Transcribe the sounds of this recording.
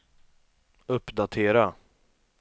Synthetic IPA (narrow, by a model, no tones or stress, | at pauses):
ɵpːd̪at̪ʰeːɾa